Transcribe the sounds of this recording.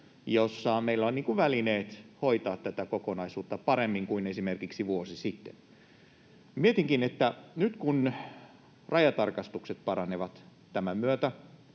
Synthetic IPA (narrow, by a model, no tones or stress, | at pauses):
josːɑmeilːæonniːŋkuʋʋælineːt̪hoit̪ɑːt̪t̪æt̪ækokonɑisuːt̪ːɑpɑɾemːiŋkuinesimerkiksiʋuosisit̪ːḛn | miet̪iŋkinet̪ːænyt̪kun | rɑjɑt̪ɑrkɑst̪ukset̪̚pɑɾɑneʋɑt̪ | t̪æmæmyøt̪æ